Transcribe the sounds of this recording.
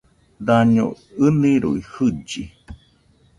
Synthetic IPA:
d̪aɲo̰ | ɨnĩɾṵihɨd͡ʒi

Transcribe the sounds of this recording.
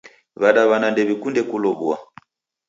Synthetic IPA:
βaɗaβanandɛβikundɛkulɔβua

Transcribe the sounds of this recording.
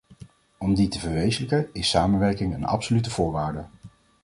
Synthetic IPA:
ɔmditəvəɹʋejzələkənɪsaːmənʋɛɹkɪŋənɑ̰psolytəv̥ʊːɹʋaːɹdə

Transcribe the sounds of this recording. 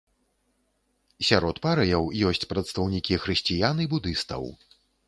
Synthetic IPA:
sʲaɾɔt̪paɾɐjɐwjɔsʲt͡sʲpɾɐt̪st̪ɐwnʲikʲixɾɨsʲt͡sʲijanɨbud̪ɨst̪ɐ̰w

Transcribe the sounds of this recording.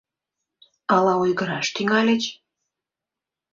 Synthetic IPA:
ɑlɑujɣəɾɑʃt̪yŋɑlʲĕt͡ɕ

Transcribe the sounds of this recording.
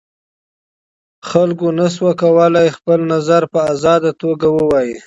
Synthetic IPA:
xalkonas̬wakawəlajxpəlnazaɾpəazɑd̪at̪oɡawəwɑji

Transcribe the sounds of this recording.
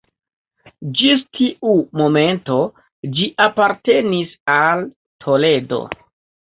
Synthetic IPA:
d͡ʒistʰiʔumo̞me̞nto̞ | d͡ʒiʔapaɾte̞nisal | tʰo̞le̞do̞̰

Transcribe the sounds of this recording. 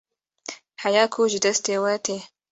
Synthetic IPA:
ħajaːkʰuʒɪd̪ɐst̪eːwaːt̪ʰe

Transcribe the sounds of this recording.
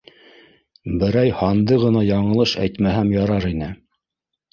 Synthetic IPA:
bɘ̆ɾæjhɑnd̪ɤʁɤ̆nɑjɑɴɤ̆lˠɤʃæ̰jt̪mæɦæmjɑɾɑɾinɘ

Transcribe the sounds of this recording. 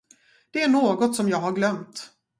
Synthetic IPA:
d̪̥ɛæɳoːɡɔt̪sɔmjɑːɡɦaɾɡlœmt̪

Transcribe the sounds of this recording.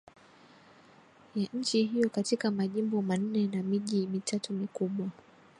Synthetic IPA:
jaɲ̩t͡ʃiɦijɔkatikamaʄimbɔman̩nɛnamiʄimitʰatumikuɓwa

